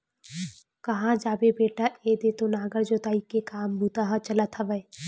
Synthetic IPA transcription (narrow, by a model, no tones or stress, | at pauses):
kɐɦãd͡ʒaːbebeːʈaeːd̪eːt̪onaːɡəɾd͡ʒoːt̪aːikekaːmbʱut̪aɦat͡ʃɐlat̪ʰəʋəe